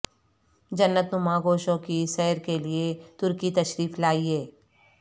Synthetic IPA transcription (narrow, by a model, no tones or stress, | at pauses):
d͡ʒɐnːət̪nʊmãɡoːʃõkiʃɛːɾkeliet̪ʊɾkit̪ɐʃɾiːflaːiɦeː